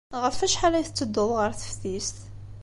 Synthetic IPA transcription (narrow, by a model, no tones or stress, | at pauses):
ʁəfæʃħalæjθət͡sːəd̪ːʊðˤʁəɾθə̥fθist̪